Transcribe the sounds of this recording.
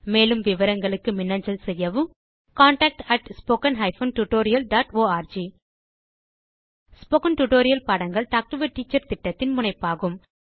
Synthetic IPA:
meːlɯmʋɪʋɐɾɐŋɡɐɭɯkːɯmɪnːɐɲd͡ʒɐlsɛjːɐʋɯm | kaːɳʈaːk̚ʈɐʈspoːkɐnɦɐɪfoːnʈʊʈoːɾɪjɐlɖaːʈoːaːɾd͡ʒi | spoːkɐnʈʊʈoːɾɪjɐlpaːɽɐŋɡɐɭʈaːk̚ʈɯʋɐʈːiːt͡ʃːɐɾt̪ɪʈːɐt̪ːɪnmʊnɐɪpːaːɣɯm

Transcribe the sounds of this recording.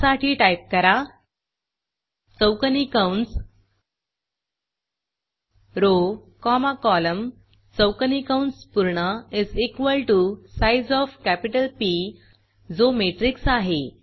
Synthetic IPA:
saʈʰiːʈajp̚kəɾa | t͡səwkənikawɳs | ɾokɔmakɔləm | t͡səwkənikawɳspuɾɳəizikʋəlʈusajzɔfkæpiʈəlpi | d͡zomeʈɾiksaɦe

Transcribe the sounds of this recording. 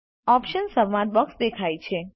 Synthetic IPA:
ɔpʃənsəʋãʈ̪̚bɔksd̪ekʰajt͡ʃʰe

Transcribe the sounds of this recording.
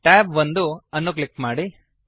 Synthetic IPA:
ʈɛːbʋɐnd̪uɐnːuk̬likːmaːɽi

